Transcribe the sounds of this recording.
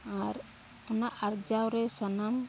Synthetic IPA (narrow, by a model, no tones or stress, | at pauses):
aɾ | ɔnaʔaɾd͡ʒawɾɛsanam